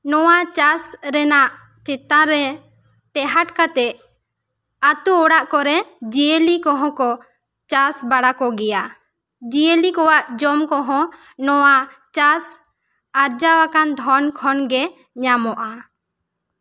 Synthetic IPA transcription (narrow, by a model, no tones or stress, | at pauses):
nɔwat͡ʃasɾɛnaʔ | t͡ʃɛt̪ãɾɛ | ʈɛɦaʈkat̪ɛ | at̪uːɽaʔkɔɾɛd͡ʒielikɔ̃ɦɔ̃kɔ | t͡ʃasbaɽakɔɡɛja | d͡ʒielikɔwaʔd͡ʒɔmkɔɦɔ̃ | nɔwa | t͡ʃas | aɾd͡ʒawakand̪ʱɔnkʰɔnɡɛ | ɲamɔʔa